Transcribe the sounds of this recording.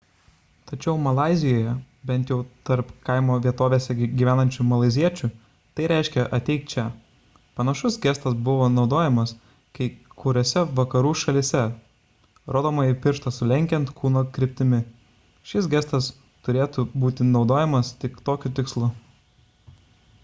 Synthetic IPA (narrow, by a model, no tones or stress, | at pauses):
t̪ɐt͡ʃʲɛʊmɐlˠɑˑɪzʲɪjoːjɛ | bʲɛnt̪jɛʊt̪ɐɾpkɐɪmoːʋʲiɛt̪oːʋʲeːsʲɛɡʲiʋʲæːnɐnʲt͡ʃʲʊmɐlˠɐɪzʲiɛt͡ʃʲʊ | t̪ɐɪɾʲæˑɪʃʲkʲɛʔɐt̪ʲɛɪktt͡ʃʲɛ | pɐnɐʃʊsɡʲæst̪ɐsbʊʋoːnɒʊd̪oːjɛmɐs | kɐɪkʰʊɾʲoːsʲɛʋɐkɐɾuːʃɐlʲɪsʲɛ | ɾʔoːd̪oːmɐɪpʲɪɾʃt̪ɐsʊlʲɛŋʲkʲɛnt̪kʰuːnoːkɾʲɪpʲt̪ʲɪmʲɪ | ʃʲɪs̬ɡʲæst̪ɐs | t̪ʊɾʲeːt̪ubuːt̪ʲɪnɒʊd̪oːjɛmɐst̪ʲɪkt̪oːkʲʊt̪ʲɪkslˠʊ